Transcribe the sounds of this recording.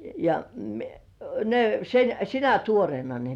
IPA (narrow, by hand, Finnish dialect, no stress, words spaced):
jɑ ne sen sinæ tuorĭeˑnɑ ne